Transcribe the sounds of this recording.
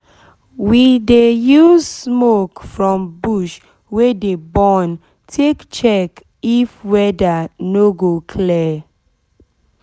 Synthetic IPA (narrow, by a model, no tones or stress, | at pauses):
widejuzsmokfɹɔ̃mbuʃ | wedebɔn | tʰekt͡ʃɛk | ifwɛdanoɡokʰlɛ